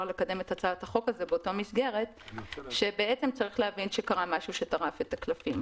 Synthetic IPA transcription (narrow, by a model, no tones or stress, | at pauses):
le̞kade̞me̞tat͡saathaχo̞kazebeoto̞misɡe̞ʁe̞tʃe̞be̞ʔet͡semt͡saʁiχleɦavinʃe̞kaʁamaʃuʃe̞taʁafe̞taklafim